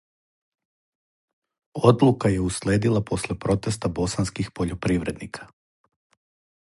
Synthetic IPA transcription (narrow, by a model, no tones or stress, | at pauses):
o̞d̪lukaje̞usle̞ːd̪ilˠapo̞slepɾo̞t̪e̞st̪abo̞sanskixpo̞ʎopɾiːʋɾe̞d̪nikʰḁ